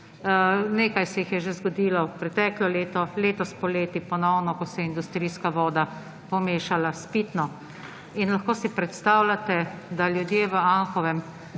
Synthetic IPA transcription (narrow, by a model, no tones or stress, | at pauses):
neːkajsɛjixjɛʒezɡɔd̪iːlɔpɾɛt̪ɛːklɔleːt̪ɔleːt̪ɔspɔleːt̪ipɔnɔwnɔkɔsɛind̪ust̪ɾiskaʋɔːd̪a | pɔmeːʃalaspit̪nɔ | inlaxkoːsipɾɛt̪st̪aːwlat̪ɛd̪aljud̪jeːʋəaŋxɔʋɛm